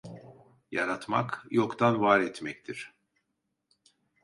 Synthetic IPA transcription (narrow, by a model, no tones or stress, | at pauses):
jaɾat̪ma̰kjokt̪ʰanvaɾɛt̪mɛct̪ʰiɾ̥